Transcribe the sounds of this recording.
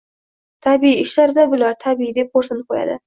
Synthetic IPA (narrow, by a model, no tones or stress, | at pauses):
t̪ʰabiiɪʃlaɾd̪abʊlaɾt̪ʰabiid̪ep̚qoɾsɨnqʰoja̰d̪ɪ̰